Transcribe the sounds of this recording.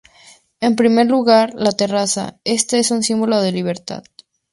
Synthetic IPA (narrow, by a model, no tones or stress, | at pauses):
e̞mpɾime̞ɾluɣaɾlat̪e̞rasa̰e̞st̪ae̞sunsimbolo̞ðeliβ̞e̞ɾt̪a̰ð